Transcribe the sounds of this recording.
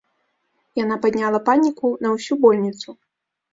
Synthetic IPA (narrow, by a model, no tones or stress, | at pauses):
janapad̪ʲnʲalˠɐpanʲikunɐwsʲubɔlʲnʲit̪su